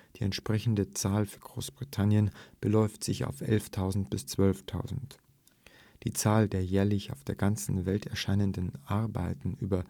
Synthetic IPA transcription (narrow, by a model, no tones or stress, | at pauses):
d̥iːɛ̰ntʃpʁ̥ɛçn̩dət͡saːlfyːɐɡ̥ʁo̰ːsb̥ʁitʰanjənb̥əlɔʏftz̥ɪça̰ʊfʔɛ̰lftʰaʊzn̩tb̥ɪst͡sv̥œlftʰaʊzn̩t | d̥iːt͡saːldeːɐjɛːɐlɪçaʊfd̥eːɐɡant͡sn̩vɛltɛɐʃaɪnəndənʔaɐba̰ɪtn̩ʔyːbɐ